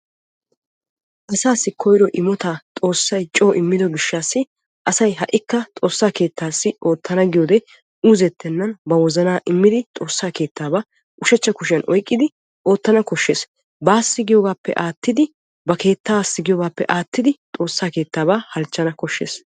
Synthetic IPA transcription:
ʔɐsaːsːɪkʰɔjɾɔʔɪmɔt̪at̪ʼo̞ːsːɐjt͡ʃʼoːʔɪmːɪd̪ɔɡɪʃːaːsːɪ | ʔɐsɐjɦɐʔɪkːɐt̪ʼo̞ːsːaːke̞ːt̪ːaːsːɪʔo̞ːt̪ʰːɐnɐɡɪjoːd̪ɛ | uːzɛt̪ːɛnːɐnbɐwɔzɐnaːʔɪmːɪd̪ɪt̪ʼo̞ːsːaːke̞ːt̪ːaːbaː | ʔʊʃɛt͡ʃːɐkʊʃɪjɐnʔɔjkʼːɪd̪ɪ | ʔo̞ːt̪ːɐnɐkɔʃːeːs | baːsːɪɡɪjoːɡaːpːɛ̰ʔaːt̪ːɪd̪ɪ | bɐke̞ːt̪ːaːsːɪɡɪjo̞ːɡaːpːɛ̰ʔaːt̪ːɪd̪ɪt̪ʼo̞ːsːaːke̞ːt̪ːaːbaːhɐlt͡ʃːɐnɐkɔʃːḛːs

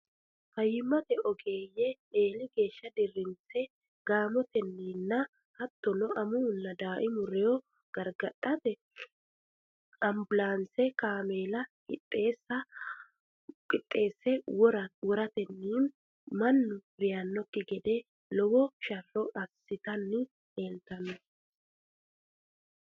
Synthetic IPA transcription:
kɐjɪmːɐt̪ɛɔɡeːjɛ | eːlɪɡe̞ːʃːɐd̪ɪrːɪnt͡sɛ | ɡ̥aːmɔt̪ɛnːiːnːɐ | hɐt̪ːɔnɔʔɐmuːnːɐd̪aːʔɪmʊɾɛjɔ | ɡ̥ɐɾɡɐtʼːɐt̪ɛ | ɐmbʊlaːnsɛkaːmeːlɐkʼɪt̪ʼːe̞ːsːɐ | kʼɪt̪ʼːe̞ːsːɛwɔɾɐt̪ɛnːiːn | mɐnːʊɾɪjanːɔkːɪɡɛd̪ɛ | lɔwɔʃɐrːɔʔɐsːɪt̪ɐnːɪ | eːlt̪ɐnɔ

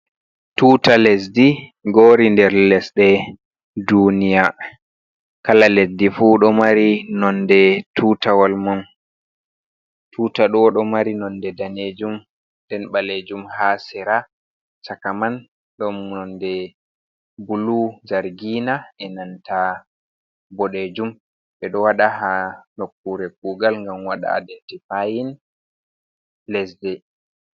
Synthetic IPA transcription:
tuːtalɛs̬diɡoːɾindɛɾlɛsɗɛ | dunija | kalalesdifuɗɔmaɾinɔndɛtʰuːtawalmɔn | tʰuːtaɗɔɗɔmaɾinɔndɛdaned͡ʒum | dɛnɓaled͡ʒumhasɛɾa | sakaman | ɗɔmnɔndɛ | bulud͡ʒaɾɡiːnaʔɛnanta | bɔɗed͡ʒum | ɓɛɗɔwaɗaɦanokːuɾɛk̚uːɡalŋɡamwaɗa̰ːdɛtɛpajin | lɛs̬dɛ

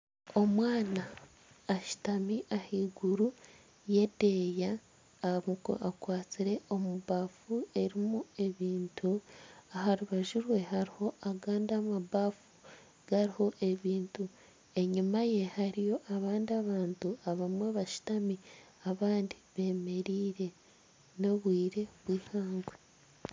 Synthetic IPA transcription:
o̞mwaːnaː | ʃu̥tamiʔahiːɡuɾu | je̞de̞jaː | muko̰ʔakwaːt͡siɾe̞o̞muβaːfue̞ɾimue̞βiːntʰuaɦaɾuβaʒuɾwe̞haɾiho̞aɡaːndamaβafu | ɡ̥aɾiho̞ʔe̞βiːntu | e̞ɲumaje̞haɾijo̞ʔaβaːndiaβaːntuaβamwaβaʃi̥tami | aβaːndiβe̞ːme̞ɾiːɾe̞ | no̞βwiːɾe̞βwiːhaːŋɡwe

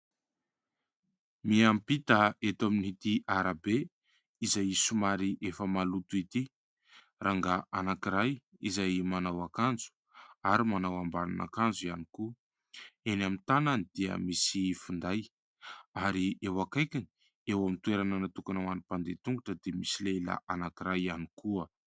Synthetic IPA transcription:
miampit̪aet̪aminihit̪iʔaɾabe | izajisumaɾiʔefəmalut̪uit̪i | raŋɡaʔanakiɾaj | izajmanawakand͡zu̥ | aɾimanawambala̰nʔa̰kand͡zuianiku | enamint̪ananid̪̥iə̰misifund̪aj | aɾiewakajkʲini̥ | ewamint̪ueɾananat̪ukanawanipand̪et̪uŋɡuʈ͡ʂəd̪emisilela̰ʔanakiɾajanikuə

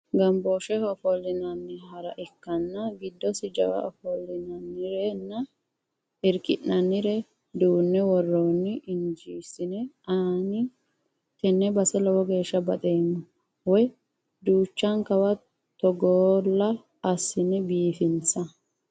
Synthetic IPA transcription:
ɡɐmboːʃɛhɔfɔlːɪnɐnːɪɦɐɾɐʔɪkːɐnːɐɡɪd̪ːɔsɪd͡ʒɐ̰wɐ̰ʔɔ̰fɔlːɪnɐnːɪɾɛnːɐ | ɪɾkʼɪnːɐnːɪɾɛ | d̪uːnːɛwɔrːonːɪʔɪnd͡ʒiːsɪnɛɐnɪ | t̪ɛnːɛbɐsɛlɔwɔɡe̞ːʃːɐbɐt̪ʼeːmːɔ | wɔj | d̪uːt͡ʃːɐŋkɐwɐ | t̪ɔɡoːlːɐː | sːɪnɛbiːfɪnsɐ

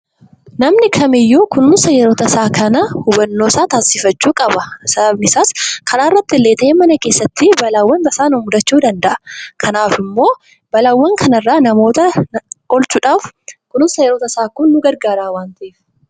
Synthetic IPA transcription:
nɐmnɪkʰɐmɪjːuːkʊnʊnsɐjɛɾoːt̪ɐsaːkʰɐnɐhʊbɐnːo̞ːsaːt̪aːsɪfɐt͡ʃːuːkʼɐbɐsɐbɐbnɪsaːskʰɐnaːɪrːɐt̪ːɪlːeːt̪ɐʔeːmɐnɐkeːsːɐt̪ːɪbɐlaːwːɐnbɐsaːnʊmʊd̪ɐt͡ʃːuːd̪ɐnd̪ɐʔɐ̥kʰɐnaːfɪmːo̞ː | b̥ɐlawːɐŋkʰɐnɐrːaːnɐmo̞ːt̪ɐʔɔlt͡ʃuːᶑaːfkʊnʊnsɐjɛɾoːt̪ɐsaːkʊnːʊɡɐɾɡaːɾaːwaːnt̪ɐʔeːf

